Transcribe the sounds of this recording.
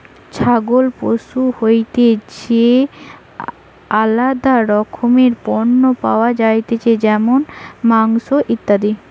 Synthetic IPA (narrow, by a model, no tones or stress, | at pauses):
t͡ɕʰaɡolpoʃuhojt̪et͡ɕe | alad̪aɾɔkʰomeɾpɔɾnːopa̰oad͡ʑajt̪et͡ɕed͡ʑɛmonmaŋʃoʔit̪ːad̪i